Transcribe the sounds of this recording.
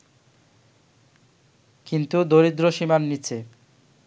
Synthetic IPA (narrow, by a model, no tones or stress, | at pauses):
kint̪ud̪oɾid̪ɾoʃimanːit͡ɕʰe